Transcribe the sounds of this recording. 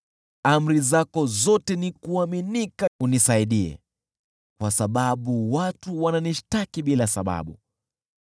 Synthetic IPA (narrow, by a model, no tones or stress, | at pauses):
am̩ɾizakɔzɔtɛnikuaminikaunisaiɗiɛ̰ | kwasaɓaɓuwatuwananiʃtakiɓilasaɓa̰ɓu